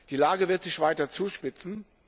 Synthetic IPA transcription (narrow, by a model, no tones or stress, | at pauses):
d̥iːlaːɡəvɪɐtz̥ɪçv̥aɪtɐt͡suːʃpɪt͡sn̩